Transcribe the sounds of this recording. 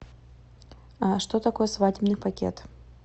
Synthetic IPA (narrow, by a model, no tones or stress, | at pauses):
aʂt̪ot̪ɐkojəsvadʲɪbnɨpakʲḛt̪